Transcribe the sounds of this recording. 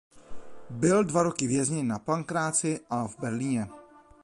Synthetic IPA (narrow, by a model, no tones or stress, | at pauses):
bɪldvaɾokɪvjɛzɲɪnapaŋkɾaːt͡sɪʔavbɛɾliːɲɛ